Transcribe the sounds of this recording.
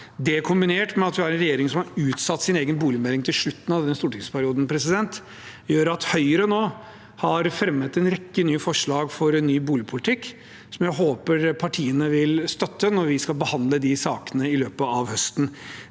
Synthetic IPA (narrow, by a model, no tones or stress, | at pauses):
d̪ɛkʰʊmbɪneːʈmɛɑt̪ʋɪhæɾɛnɾɛjeːɾɪŋsɔmhɑɾʉːt̪sɑt̪ːsɪneːɡənbuːlɪmɛlɪŋt̪ʰɪlʂɭʉt̪ːnɑʋd̪ɛnːəst̪uːʈɪŋspʰæɾɪuːd̪n̩pʰɾɛsɪd̪ɛnt̪ | jøːɾɑt̪hœʏəɾənoː | hɑɾfɾɛmːət̪ɛnɾɛkːənyːfɔʂɭɑːɡfɔɾɛnːyːbuːlɪpʰʊlɪt̪ʰɪkː | sɔmjæɪɦoːpəɾpʰɑʈʰiːənəʋɪlst̪œt̪ːənɔɾʋɪskɑlbəhɑnd̪ləd̪ɪsɑːkənəɪløːpəɑʋhœst̪n̩